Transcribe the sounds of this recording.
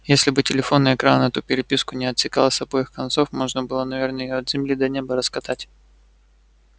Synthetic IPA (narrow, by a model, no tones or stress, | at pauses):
jesʲlʲɪbɨtʲɪlʲɪfo̞nːɨjɪkɾanət̪upʲɪɾʲɪpʲiskʊnʲɪɐt̪sʲɪka̰lˠəsʲɐbojɪxkɐnt̪so̞fmo̞ʐnəbɨlˠənɐvʲernəjɪjoɐd̪zʲɪmlʲid̪ɐnʲebəɾəskɐt̪atʲ